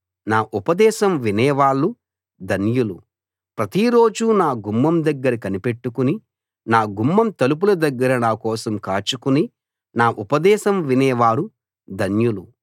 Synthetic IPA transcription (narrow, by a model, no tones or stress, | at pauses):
naːʔupɐd̪ɛːʃɐmʋinɛːʋaːɭːu | d̪ʱɐnjulu | pɾɐt̪iɾo̞ːd͡ʒunaːɡumːɐmd̪ɐɡːɐɾɐkɐnipe̞ʈːukuni | naːɡumːɐmt̪ɐlup̬ulɐd̪ɐɡːɐɾɐnaːkɔːsɐmkaːt͡ʃukuni | naːʔupɐd̪ɛːʃɐmʋinɛːʋaːɾu | d̪ʱɐnjulu